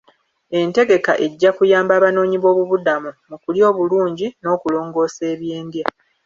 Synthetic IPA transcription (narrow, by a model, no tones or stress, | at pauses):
e̞nte̞ɡe̞kaʔe̞ɟːakujaːmbaːβano̞ːɲiβo̞ːβuβudamumukuljo̞ːβuluːɲɟino̞ːkulo̞ːŋɡo̞ːse̞ːβje̞ːndja